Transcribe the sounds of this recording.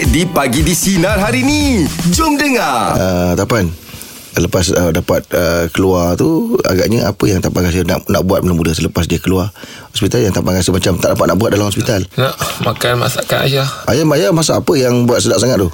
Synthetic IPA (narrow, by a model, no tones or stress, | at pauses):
dipaɡidisinalɦaɾinid͡ʒʊmdəŋaət̪apan | sələpasədapat̪̚əkəluart̪ua̰ɡaʔɲəa̰pəjaŋt̪aʔpaŋas̬əna̰ʔna̰ʔbuat̪məlamudəsələpas̬diakəluar | hɔspit̪aljaŋt̪aʔpaŋɡasəmat͡ʃamt̪aʔdapat̪̚naʔbuat̪̚dalamhɔs̬pit̪alnaʔmakanma̰saʔkana̰jaʔajamajamasaːpəjaŋbuat̪̚sədaʔ̚saŋat̪̚t̪uh